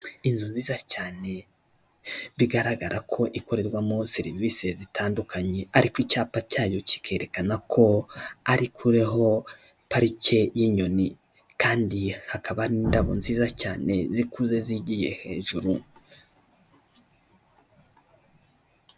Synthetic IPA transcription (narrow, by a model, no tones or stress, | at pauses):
inzunziːzacaːne̞ | βiɡaɾaɡaɾʔakʰo̞ʔiko̞ɾe̞ɾɡwamo̞siɾivise̞zitʰaːndukʰaɲe̞aɾikwicaːpacaːjo̞ci̥kʰe̞ːɾe̞kanakʰo̞aɾikʰuɾe̞ɦo̞ | paɾice̞jiɲo̞ni | kaːndihakaβaɾiːndaβonziːzaca̰ːne̞̰zikuze̞ziɟije̞̰he̞̰ːʒuɾu